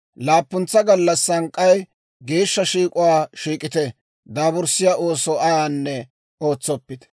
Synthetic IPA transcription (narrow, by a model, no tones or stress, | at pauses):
laːpːʊnt͡sːɐɡɐlːɐsːɐŋkʼːɐj | ɡe̞ːʃːɐʃiːkʼʊwaːʃiːkʼɪt̪ɛ | d̪aːbʊɾsɪjaʔo̞ːsɔʔɐjanːɛ | oːt͡sːɔpːɪd̪ɛ̥